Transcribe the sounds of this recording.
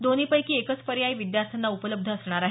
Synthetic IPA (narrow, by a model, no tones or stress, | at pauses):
d̪oniːpəjkiːekət͡spəɾjaiʋid̪jaɾt̪ʰənːaupələb̚d̪ʱəːsɳ̃aɾaɦe